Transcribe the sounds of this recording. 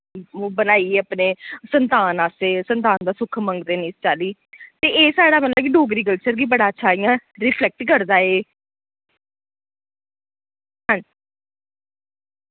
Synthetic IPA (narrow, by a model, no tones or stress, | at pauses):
bənaːieːəpneːsənt̪aːnaːseːsənt̪aːnd̪aːsʊkʰmə̃ŋɡd̪eːniːst͡ʃaːliːt̪eːeːsaːɽaːməlːkiɖoːɡɾiːk̬əlt͡ʃəɾɡiːbəɽaːətːʃʰaːijãːɾɪpʰlɛk̚ʈkəɾd̪aːeː | ɦə̃d͡ʒ